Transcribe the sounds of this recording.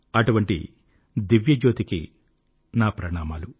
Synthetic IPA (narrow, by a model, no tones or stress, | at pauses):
ɐʈuʋɐɳʈḭ | d̪iʋjɐd͡ʒoːt̪ikḭ | naːpɾɐɳaːmaːlu